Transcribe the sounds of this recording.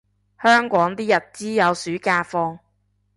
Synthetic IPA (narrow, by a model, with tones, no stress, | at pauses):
hœː˥ŋkʷɔː˨˥ŋt̪iː˥jɐ˨t̚t͡siː˥jɐ˨˧wsyː˨˥kaː˧fɔː˧ŋ